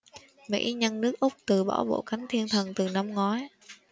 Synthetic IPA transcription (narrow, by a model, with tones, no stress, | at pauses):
mḭ˧˥ɲə˧nnɨ˦˥ək̚ʔʊ˦˥k͡p̚t̪ɨ˨˩ɓɔ̰˧˩wɓo̰˧˨ka˨˦jŋ̟t̪ʰi˧ənt̪ʰə˨˩nt̪ɨ˨˩na˧mŋɔ˨˦j